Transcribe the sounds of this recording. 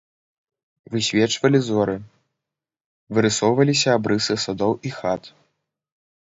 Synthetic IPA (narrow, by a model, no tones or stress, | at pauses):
vɨsʲvʲɛt͡ʂvɐlʲizɔɾɨ | vɨɾɨsɔwvɐlʲis̬ʲɐːbɾɨsɨsad̪ɔwixat̪